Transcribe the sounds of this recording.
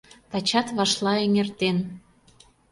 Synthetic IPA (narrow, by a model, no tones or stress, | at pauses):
t̪ɑt͡ɕɑt̪βɑʃlɑeŋert̪en